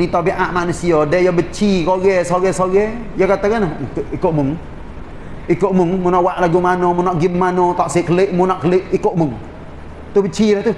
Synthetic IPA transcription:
nit̪ɔbiʔaʔmanusiɔdɛjabət͡ʃikoɡɛsoɡɛsoɡɛ | jakat̪akanahkʔikoʔmuŋ | ikoʔmuŋmunaʔwaʔlaɡumanomunaʔɡimːanot̪aʔsekəleʔmunaʔkəlɪʔikoʔmʊŋ | t̪ubət͡ʃilaht̪u

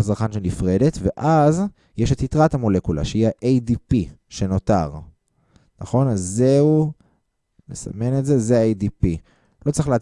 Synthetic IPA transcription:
asaʁχanʃenifʁe̞de̞tve̞ʔaz | jeʃetitʁathamo̞le̞kula̰ʃehiaʔejdipiʃe̞no̞ta̰ʁ | naχo̞nazːeu | nesa̰me̞netze̞zeaejdipi | lo̞t͡sʁiχlea

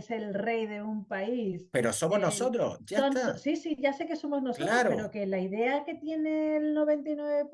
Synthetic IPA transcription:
se̞lre̞jðe̞umpaispeɾosomoznosot̪ɾo̰sʝaant̪osisiʝase̞ke̞so̞mo̞zno̞solaɾɾoeɾoke̞laiðe̞ake̞t̪je̞ne̞ːlno̞βe̞nt̪ijnwe̞βe

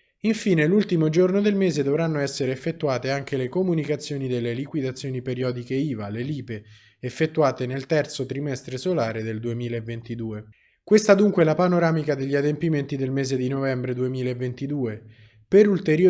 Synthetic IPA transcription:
iɱfiːnelult̪imod͡ʒornod̪elmeːzed̪ovɾanːoɛsːeɾeːfːet̪ːuaːt̪eaŋk̟elekomunikat̪sːjoːnid̪elːelikwid̪at̪sːjoːnipeɾjɔːd̪ikeiːvaleliːpeː | fːet̪ːuaːt̪enelt̪ɛrt̪sot̪ɾimɛst̪ɾesolaːɾed̪eld̪uemiːlaevːent̪id̪uːe | kwest̪ad̪uŋkwelapanoɾaːmikad̪eʎːiad̪empiment̪id̪elmeːzed̪inovɛmbɾed̪uemiːlaevːent̪id̪uːe | peɾult̪eɾjo

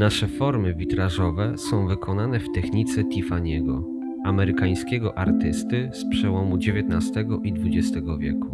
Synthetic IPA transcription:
naʂɛfɔɾmɘvʲit̪ɾaʐɔvɛsɔ̃w̃vɘkʰɔnanɛft̪ɛxɲit̪sɛt̪ʲifaɲɛɡɔ̰ | amɛɾɘkaj̃skʲɛɡɔʔaɾt̪ɘst̪ɘspʂɛwɔmud͡ʑevʲjɛt̪nast̪ɛɡɔʔid̪vud͡ʑɛst̪ɛɡɔvʲjɛ̰ku

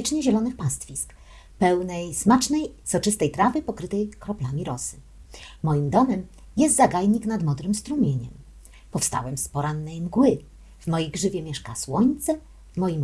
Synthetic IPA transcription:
ɛt͡ʂɲɛʑɛlɔnɘxpast̪fʲisk | pɛwnɛjsmat͡ʂnɛjsɔt͡ʂɘst̪ɛjt̪ɾavɘpɔkɾɘt̪ɛjkɾɔplamʲiɾɔsɘ̥ | mɔjimd̪ɔmɛm | jɛst̪zaɡajɲiknad̪mɔd̪ɾɘmst̪ɾumʲjeɲɛ̰m | pɔfst̪a̰wɛmspɔɾanːɛjmɡwɘ | v̥mɔjejɡʐɘvʲjɛmʲjɛʂkaswɔɲt̪sɛ | vmɔjim

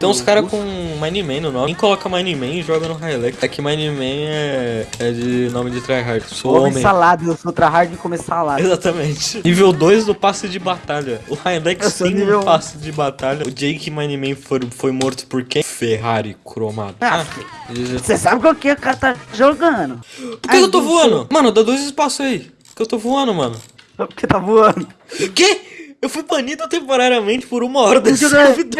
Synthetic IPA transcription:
t̪ẽʊskaɾɐkõmãj̃nimẽj̃nʊnõmẽj̃kolɔkɐmãj̃nimẽj̃ɪʒɔɡɐnʊɦajlɛkɛkɪmãj̃nimẽj̃ɛɛd͡ʒɪnõmɪd͡ʒɪt̪ɾajɦaɾd͡ʒsooõmẽsalad̪ewsot̪ɾaɦaɾd͡ʒɪkomessalaezat̪ɐmẽt͡ʃɪnivewd̪ojzd̪ʊpasɪd͡ʒɪbat̪aʎɐʊhajlɛkssẽivewpasɪd͡ʒɪbat̪aʎɐʊd͡ʒiɐĩkɪmãjnimẽj̃foɾfojmoɾt̪ʊ̥poɾkefeɦaɾɪkɾoma̰d̪ | eʒsesabɪkakeʊkaɾɐt̪aʒoɡɐ̃d̪ʊpʊɾeewt̪ovuɐ̃nʊmɐ̃nʊd̪ad̪ojzɪspasʊaipʊɾkewt̪ovuɐ̃nd̪ʊmɐ̃nʊ | pʊɾket̪avuɐ̃d̪ʊkeewfujpɐnid̪ʊt̪ẽmpoɾaɾiɐmẽt͡ʃɪ̥poɾũmɐɔɾd̪ẽd͡ʒid̪ɐɐvid̪e

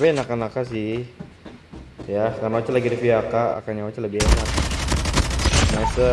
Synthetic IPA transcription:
pɛnakanakas̬ɪh | jakarnaot͡ʃalaɡidifiakaa̰kaɲaot͡ʃaləbiheŋat̪̚ | masə

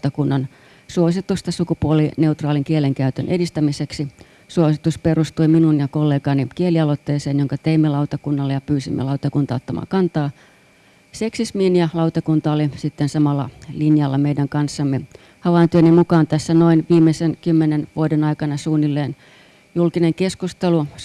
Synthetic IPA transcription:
t̪ɑkunːɑn | suosit̪ust̪ɑsukupuoline̞ut̪rɑːliŋkieleŋkæyt̪ønʔedist̪æmiseksi | suosit̪usperust̪uiminunjɑkolːeːɡɑnikieliɑlot̪ːeːseːnjoŋkɑt̪eimːelɑut̪ɑkunːɑlːejɑpyːsimːʔḛlɑut̪ɑkunt̪ɑot̪ːɑmʔɑ̰ːŋkɑnt̪ɑː | seksismiːnjɑlɑut̪ɑkunt̪ɑolisit̪ːensɑmɑlːɑ̰linjɑlːɑmeidæŋkɑnsːɑmːe | hɑʋɑint̪yønːimukɑːnt̪æsːænoinʋiːmːesenkymːenenʋuodenɑikɑnɑsuːnːilːeːn | julkineŋkeskust̪elu

